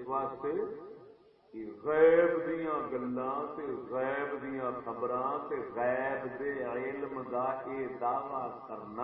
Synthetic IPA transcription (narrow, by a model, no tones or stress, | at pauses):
ʋaːst̪eː | kɪɣɛːbd̪ijãːɡəlːãːt̪eːɣɛːbd̪ijãːkʰəbɾãːt̪eːɣɛːbd̪eːɪlmd̪aːʔeːd̪aːʋaːkəɾna